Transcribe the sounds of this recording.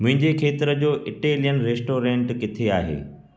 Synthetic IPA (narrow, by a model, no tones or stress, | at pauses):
mʊ̃ɦɪ̃ɲd͡ʑekʰeːt̪ɪɾəd͡ʑoːʔɪʈeːlijənɾeːsʈoːɾẽːɳʈkɪt̪ʰeaːɦḛː